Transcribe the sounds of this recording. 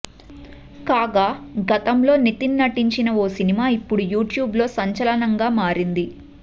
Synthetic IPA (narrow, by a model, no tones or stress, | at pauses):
kaːɡaːɡɐt̪ɐmlo̞ːnit̪innɐʈiɲt͡ʃinɐoːsinimaːipːuɽujuːʈjuːblo̞ːsɐɲt͡ʃɐlɐnɐŋɡaːmaːɾind̪i